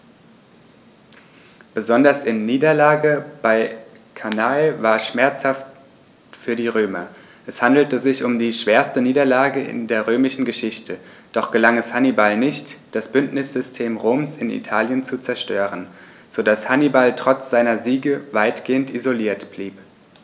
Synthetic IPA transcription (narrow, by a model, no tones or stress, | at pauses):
b̥əzɔndɐsɪnːiːdɐlaːɡəb̥aɪ | kʰanaɪvaːɐʃmɛɐt͡shaft | fyːɐdiːʁøːmɐ̰ | ʔɛshandl̩təzɪçʊmdiːʃv̥eːɐstəniːdɐlaːɡəɪ̰ndeːɐʁ̞øːmɪʃn̩ɡəʃɪçtʰəd̥ɔχɡ̥əlaŋɛshanibalnɪçtd̥asb̥ʏntnɪsz̥ʏstʰeːmʁoːmsɪnḭtʰaːljənt͡sut͡sɛɐʃtøːʁən | z̥odashanibaltʁ̥ɔt͡sz̥aɪnɐziːɡəvaɪtɡ̥eːəntizoliːɐtb̥liːp